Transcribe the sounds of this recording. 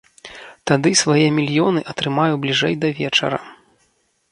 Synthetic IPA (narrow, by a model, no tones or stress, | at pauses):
t̪ad̪ɨsvajɛmʲilʲjɔnɨʔɐt̪ɾɨmajublʲiʐɛjd̪ɐvʲɛt͡ʂɐ̰ɾɐ̰